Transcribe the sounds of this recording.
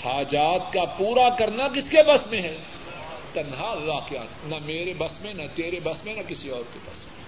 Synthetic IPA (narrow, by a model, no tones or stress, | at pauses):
haːd͡ʒaːt̪̚kapuːɾakɐɾnakɪskebɐsmẽɦɛː | t̪ɐnɦaɐlːaːɦkijaːt̪nɐmeːɾebɐsmẽnɐt̪eːɾebɐsmẽnɐkɪsiɔːɾkebɐ̰smẽ